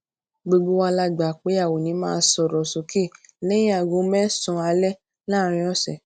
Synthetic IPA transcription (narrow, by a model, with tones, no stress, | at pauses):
ɡ͡bo˧ɡ͡bo˦wa˧la˦ɡ͡ba˨k͡pe˨˦a˦˨wo˨nĩ˨˦mãː˦˧sɔ˨ɾɔ˨sũ˨ki˦˨lɛ̃˦ĩ˦a˨ɡõ˨˦mɛ̃˦sɔ̃˧a˧lɛ˦ | la˦˨ɾ̃ĩ˧˦ɔ˦˨sɛ̰˨